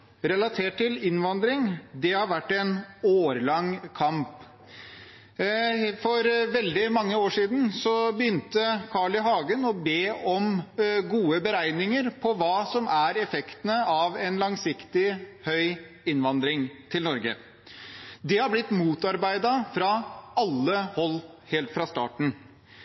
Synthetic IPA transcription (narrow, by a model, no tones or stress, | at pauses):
ɾɛlɑt̪ʰeːʈ̚ʰːɪlɪnʋɑnd̪ɾɪŋd̪ɛhɑɾʋæʈːɛnoːɾlɑŋkʰɑmp | fɔɾʋɛld̪ɪmɑŋːəoːʂiːd̪n̩sɔbəjʏnt̪əkʰɑɭɪɦɑːɡənɔbeːʔɔmɡuːəbəɾæɪnɪŋəɾpʰɔʋɑːsɔmʔæɾɛfɛkt̪ənəɑʋɛnlɑŋsɪkt̪ɪhœʏ | ɪnʋɑnd̪ɾɪŋt̪ʰɪlnɔɾɡə̰ | d̪ɛhɑɾblɪt̪ːmuːt̪ɑɾbæɪd̪ɑfɾɑɑlːəhɔlː | heːlt̪fɾɑst̪ɑ̰ːʈɳ̩